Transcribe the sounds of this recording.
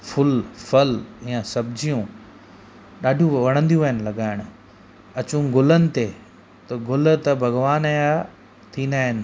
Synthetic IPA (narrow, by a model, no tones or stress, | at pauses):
fʊlfɐlijãsɐbd͡ʑijũ | ɗaːɖʱijũʋɐɽ̃ə̃nd̪ijũɐɦɪnɪ̆lɐɡaːɪɽ̃ʊ̆ | ɐt͡ɕũɡʊlənɪ̆t̪e | t̪ɐɡʊlt̪ɐbʱɐɡʋaːnɐja | t̪ʰiːnd̪aːɦɪnɪ̆